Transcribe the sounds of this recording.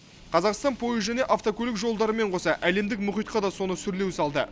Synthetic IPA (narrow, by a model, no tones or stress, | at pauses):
qʰɑzɑqst̪ɑnpʰo̞jəʒæne̞ʔaft̪okʰʲɵlɪkʒo̞lˠd̪ɑɾəme̞ɴqʰo̞sɑʔæle̞md̪ɪkmʊχijt̪̚qɑd̪ɑso̞nəsʏɾle̞wsɑlˠd̪ə̰